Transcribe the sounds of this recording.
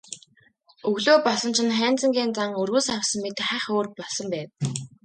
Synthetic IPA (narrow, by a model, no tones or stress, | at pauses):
ɵɣɮoːpɔɮsɞ̆nt͡ɕʰɪ̆nχæːnt͡sə̆ŋɡʲeːnt͡saŋɵrɣuːsawsə̆ŋmet̪̆χæːχoːrpɔɮsɞ̆mpæːt̪